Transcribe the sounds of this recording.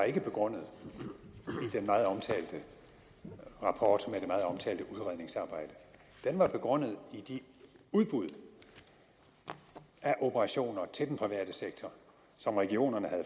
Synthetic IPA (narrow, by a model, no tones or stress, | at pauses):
ɑ̈e̝ɡ̥əb̥e̝ɡ̥ʁɔ̽n̰ð̩ˠ | id̥enmɑ̈ːð̞̩ˠɒ̽mt͡sʰɛ̰ːld̥ə | ʁɑ̈pʰɒːd̥med̥emɑ̈ːð̞̩ˠɒ̽mt͡sʰɛ̰ːld̥əʔuðˠʁaðˠne̝ŋsɑ̈ːb̥ɑ̈ɪ̰d̥ə | d̥enʋɑ̈b̥e̝ɡ̥ʁɔ̽n̰ð̞̩ˠid̥iuðˠb̥uðˠ | æʔo̝pʰəʁɑ̈ɕo̝̰ːnɐt͡sʰe̝ld̥enpʰʁiʋæɐ̰d̥əseɡ̥̚t͡sʰɒ | sɒ̽mʁɛɡ̥io̝̰ːnɐnəhæð̩ˠ